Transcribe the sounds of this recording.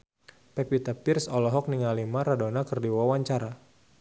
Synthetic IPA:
pɛpit̪əpirsɔlɔɦɔk̚niŋalimaɾadonakərdiwawaɲt͡ʃaɾa

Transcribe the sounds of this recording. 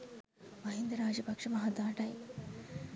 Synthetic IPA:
mɐɦind̪ɾɐɾaːd͡ʒɐpɐkʂɐmɐɦɐd̪aːʈaj

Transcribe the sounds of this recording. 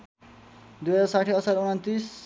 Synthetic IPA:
d̪ujʌd͡zasaʈʰiʌsaɾuɽ̃ʌnt̪is

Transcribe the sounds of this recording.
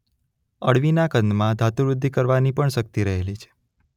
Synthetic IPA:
əɽʋinakənd̪mãd̪ʱat̪uɾud̪ʱːikəɾʋanipəɳʃək̚t̪iɾəɦelit͡ʃʰe̥

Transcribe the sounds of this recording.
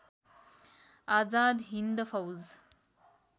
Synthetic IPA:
ad͡zad̪ɦind̪fawd͡z

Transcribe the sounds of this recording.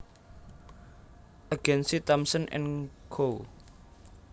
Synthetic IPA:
ʔaɡ̥ɛnsit̪amsənʔɪ̰nɡʰo

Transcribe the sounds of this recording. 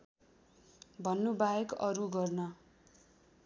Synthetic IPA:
bʱʌnːubajekʌ̰ɾuɡʌrnʌ

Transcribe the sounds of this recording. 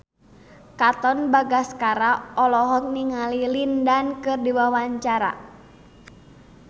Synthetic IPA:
kat̪ɔnbaɡaskaɾaɔlɔɦɔk̚niŋalilindankɨrdiwawaɲt͡ʃaɾa̰

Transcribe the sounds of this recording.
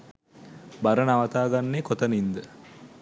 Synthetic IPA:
baɾənaʋɐt̪aːɡanːekot̪ənind̪ə

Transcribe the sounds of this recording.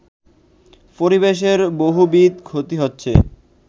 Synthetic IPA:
poɾibeʃ̬eɾboɦubit̪kʰot̪iɦotːɕʰḛ

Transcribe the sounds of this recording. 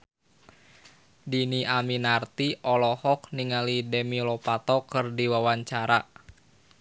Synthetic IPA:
diniʔaminart̪iʔɔlɔhɔk̚niŋalidɛmilɔpat̪ɔkɨrdiwawaɲt͡ʃaɾa

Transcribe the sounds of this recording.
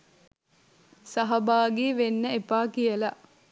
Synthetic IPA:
sɐɦɐbaːɡeːʋenːəepaːkijəlaʔ

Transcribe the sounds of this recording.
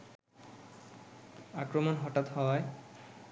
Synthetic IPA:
akɾomonɦɔʈat̪ɦɔj

